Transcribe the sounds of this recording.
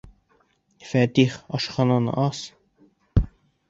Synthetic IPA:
fæt̪iχɒʃχɑnɑnɤ̰ʔɑs

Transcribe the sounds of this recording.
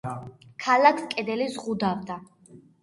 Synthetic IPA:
kʰalakʰskʼɛd̪ɛlizʁud̪avd̪a

